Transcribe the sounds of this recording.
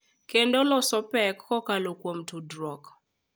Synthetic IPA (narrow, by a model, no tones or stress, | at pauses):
kendɔlɔsɔpɛkːɔkalokwomtudɾɔk